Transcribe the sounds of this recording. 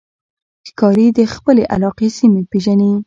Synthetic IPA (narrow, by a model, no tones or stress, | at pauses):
kɑɾid̪əxpəleʔa̰lɑqesimepeʒani